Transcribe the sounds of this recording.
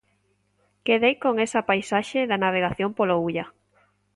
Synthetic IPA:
keðejkoŋesapajsaʃeðanaβ̞eɣaθjompolouʎa

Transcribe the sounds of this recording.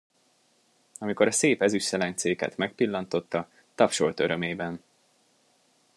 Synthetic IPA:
ɒmiko̞ɾɒseːpɛzyʃsɛlɛɲt̪seːkɛ̰t̪mɛk̚pilːɒnt̪o̞t̪ːɒ | t̪ɒfʃo̞lt̪ø̞ɾø̞meːbɛn

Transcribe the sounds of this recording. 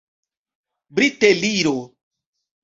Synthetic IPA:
bɾit̪eliɾo

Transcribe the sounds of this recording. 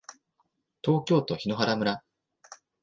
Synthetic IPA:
t̪o̞ːkʲo̞ːt̪o̞çino̞ɦaɾamɯ̟ɾa

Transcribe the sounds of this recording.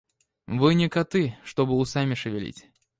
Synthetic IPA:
vɨnʲɪkɐt̪ɨʂt̪ɔbɨʊsamʲɪʂɨvʲɪlʲḭt͡sʲ

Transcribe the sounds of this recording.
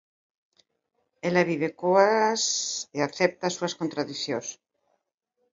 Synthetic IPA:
elaβiβ̞ekoaseaθɛp̚t̪asuaskont̪ɾaðiθjõs

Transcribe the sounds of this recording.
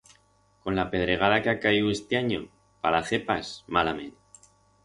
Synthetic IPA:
ko̞nlape̞ð̞ɾe̞ɣ̞aðakeakajue̞st̪eaɲo̞̰ | palaθe̞pasmalamḛ̃n

